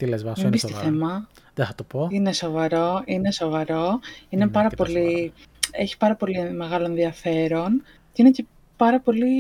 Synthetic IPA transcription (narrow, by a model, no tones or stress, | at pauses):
t̪ilezvɐsmembist̪iθemɐðeθɐt̪opoine̞so̞vɐɾo̞ineso̞vɐɾo̞ine̞pɐɾɐpoli | e̞çi̥pɐɾɐpo̞lime̞ɣɐlo̞nðiɐfe̞ɾon | ce̞inece̞ | pɐɾɐpo̞li